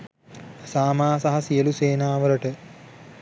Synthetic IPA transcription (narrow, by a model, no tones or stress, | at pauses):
saːmaːsaɦɐsijəluseːnaːʋələʈə